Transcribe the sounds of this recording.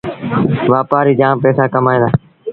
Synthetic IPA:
ʋaːpaːɾiːd͡ʒãːmpɛːsaːkəmaːẽːd̪aː

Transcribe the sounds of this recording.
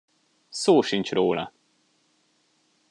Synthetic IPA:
soːʃint͡ʃroːlɒ̰

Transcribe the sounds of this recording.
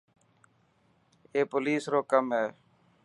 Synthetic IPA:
eːpʊliːsɾoːkəmɦeː

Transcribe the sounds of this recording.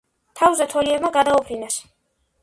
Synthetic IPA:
t̪ʰawzɛt̪ʰɔliɛbmaɡad̪aupʰɾinas

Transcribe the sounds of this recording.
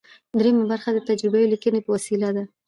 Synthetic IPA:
d̪ɾemabaɾxad̪ət̪ad͡ʒɾɪbajolikənepəwasilad̪a

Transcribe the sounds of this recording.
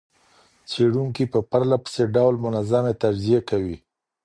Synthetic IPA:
t͡seɽuŋkipəpaɾlapə̥seɖawlmʊnazamet̪ad͡ʒzijekawi

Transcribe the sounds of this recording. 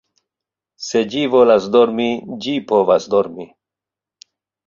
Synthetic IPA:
sed͡ʒivolasd̪oɾmid͡ʒipovasd̪oɾmi

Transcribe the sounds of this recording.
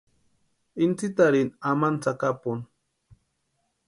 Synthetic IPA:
int͡sit̪aɾinamant͡sakapʊn

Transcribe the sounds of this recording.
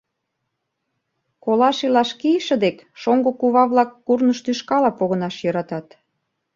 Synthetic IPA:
kolɑʃilɑʃkiʃə̆d̪ekʃoŋɡokuβɑβlɑkːurnəʃt̪yʃkɑlɑpoɣə̆nɑʃjɤɾɑt̪ɑt̪

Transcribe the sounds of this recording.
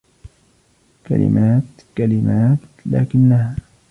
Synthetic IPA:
ka̰lɪ̰mʔaːt̪ | kalɪmaːt̪la̰ːkɪnːahaː

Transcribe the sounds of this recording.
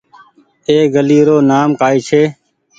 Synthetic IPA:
eːɡəliːɾoːnaːmkaːiːt͡ʃʰeː

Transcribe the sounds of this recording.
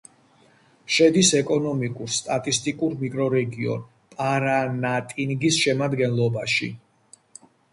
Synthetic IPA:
ʃɛd̪isɛkʼɔnɔmikʼuɾst̪ʼat̪ʼist̪ʼikʼuɾmikʼɾɔɾɛɡiɔ̰n | pʼaɾanat̪ʼinɡisʃɛmad̪ɡɛnlˠɔbaʃḭ

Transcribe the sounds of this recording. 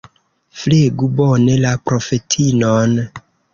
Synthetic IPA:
fleɡubonelapɾofetʰinon

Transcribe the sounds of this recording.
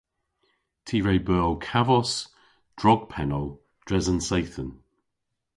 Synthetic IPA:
tʰiːɹejbɜːlˠkʰavɔs | d̥ɹɔɡ̚pʰɛnəlˠ | d̥ɹɛzənsejθən

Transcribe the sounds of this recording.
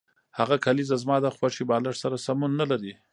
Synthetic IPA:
haɣakʰalizazmɑd̪əxwaʂibɑlaʈsaɾasamunːalaɾi

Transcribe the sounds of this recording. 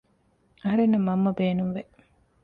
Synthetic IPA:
ɐɦɐɾenːɐmːɐmːɐbeːnuŋʋe

